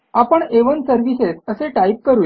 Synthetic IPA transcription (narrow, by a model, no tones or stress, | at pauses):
apəɳeʋənsəɾʋisesəseʈaip̚kəɾuːj